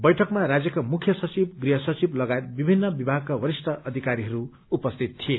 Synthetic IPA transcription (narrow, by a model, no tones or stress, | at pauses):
bʌjʈʰʌkmaɾad͡zjʌkamukʰjʌsʌt͡sibɡriɦʌsʌt͡siblʌɡajet̪̚bibʱinːʌbibʱaɡ̚kawʌɾisʈʌʔʌd̪ʱikaɾiɦʌɾu | upʌst̪ʰit̪t̪ʰie